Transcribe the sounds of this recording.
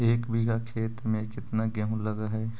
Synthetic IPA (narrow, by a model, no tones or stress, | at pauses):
eːkbʱiɡakʰeːt̪mẽkɪt̪naɡɛɦũlɐɡaɦɛː